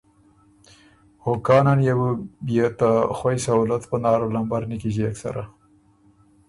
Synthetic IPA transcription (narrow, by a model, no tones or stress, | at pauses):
hokɑnanjawəbijat̪axwajsaulat̪pənɑːɾolambaɾnəkiʒiaksa̰ɾa